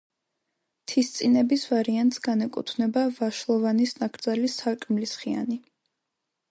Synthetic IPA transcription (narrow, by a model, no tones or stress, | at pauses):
t̪ʰist̪sʼinɛbisvaɾiant̪ʼsɡanɛkʼṵt̪ʰvnɛbavaʃlˠɔvanisnakʰɾd̪zalisalkʼɾmlisχia̰ni